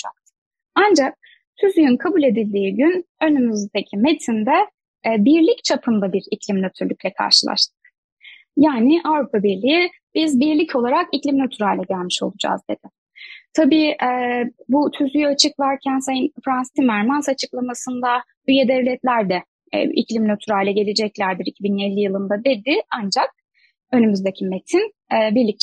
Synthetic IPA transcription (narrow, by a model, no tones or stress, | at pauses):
d͡ʒak̪̚ | and͡ʒak̚ | t̪ʰyzyjynkʰabulʲe̞d̪ilʲd̪iːɟynø̞nymyzd̪ecʰime̞t̪ʰind̪ɛ | biɾlʲict͡ʃʰapʰɯnd̪abiɾiclʲimnø̞t̪ʰyɾlʲyc̚ʲlʲɛkʰa̰ɾʃɯlˠa̰ʃt̪ʰɯ̥k | jaːnɪʔavɾupʰabiɾlʲiji | b̥izbiɾlʲicʰo̞lˠaɾakiclʲimnøt̪ʰyɾalʲlʲɛɟælʲmiʃo̞̰lˠud͡ʒa̰ːzd̪e̞d̪̥ɪ | t̪ʰabiːʔɛbut̪ʰyzyjøat͡ʃʰɯkvaɾcʰænsajɯnfɾanst̪imæɾmansat͡ʃʰɯklˠamasɯnd̪a | yjɛd̪ɛvlʲɛt̪lʲæɾd̪ɛ̰ | ḭclʲimnøt̪ʰyɾajlʲɛɟe̞lʲe̞d͡ʒɛclʲæɾd̪iɾicʰibinne̞lʲːijɯlˠɯnd̪ad̪e̞d̪ɪand͡ʒak̚ | ø̞nymyzd̪ecʰime̞t̪ʰin | ɛːbiɾlʲic̚